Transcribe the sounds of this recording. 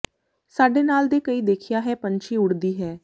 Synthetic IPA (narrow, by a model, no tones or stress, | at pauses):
saːɖeːnaːld̪eːkəiːd̪eːkʰɪjaːɦɛːpəɲt͡ʃiːʊɽd̪iːɦɛː